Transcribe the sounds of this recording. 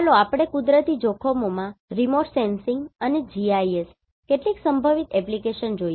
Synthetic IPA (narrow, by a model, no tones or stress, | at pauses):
loapɽ̃ekud̪ɾət̪id͡ʒɔkʰomomãɾimoʈsensɪŋɡəned͡ʒiaies | keʈliksəmbʱəʋit̪ɛplikeʃənd͡ʒoj